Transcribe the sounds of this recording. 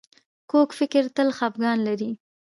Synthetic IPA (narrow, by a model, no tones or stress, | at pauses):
kokfɪkɪɾt̪əlxɑp̚ɡɑnlaɾi